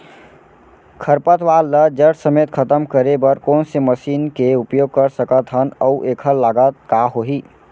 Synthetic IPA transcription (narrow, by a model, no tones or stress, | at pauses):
kʰəɾpət̪ʋalːəd͡ʒəɾʈsəmet̪̚kʰət̪əmkəɾebəɾkoːnseməsiːnkeupjoɡ̚kəɾsəkət̪ɦənəuʔekʰəɾlaɡət̪̚kaɦoɦi